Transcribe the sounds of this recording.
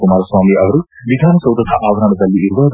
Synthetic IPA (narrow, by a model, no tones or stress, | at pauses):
kumaːɾɐswaːmiɐʋɐɾu | ʋid̪ʱaːnɐsɐwt̪ɐt̪ʰaʔaːbɐɾɐnɐd̪ɐlːiiɾʋɐd̪